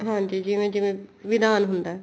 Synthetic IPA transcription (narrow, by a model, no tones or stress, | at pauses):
ɦãːd͡ʒiːd͡ʒiʋẽd͡ʒɪʋẽʋɪd̪aːnɦʊnd̪aɦɛ